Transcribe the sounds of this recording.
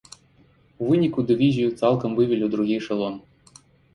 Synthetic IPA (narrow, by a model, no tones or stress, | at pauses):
uvɨnʲikud̪ɨvʲizʲijut̪salˠkɐmvɨvʲilʲid̪ɾuɣʲijʂɐlˠɔm